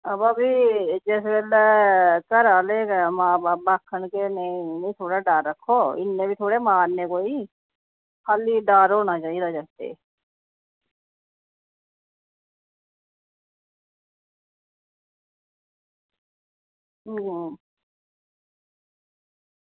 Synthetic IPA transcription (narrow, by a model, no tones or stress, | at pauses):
əbəbid͡ʒɛːsbeːl | kəɾaːleːkemaːbaːbaːkʰːəɳkenenĩt̪ʰoːɽaɖaːɾːəkʰːoːɪ̰nːẽbʱit̪ʰoːɽemaːɾnekoːi | kʰaːliɖaːɾoːnaːt͡ʃaːiɾad͡ʒəkt̪ḛː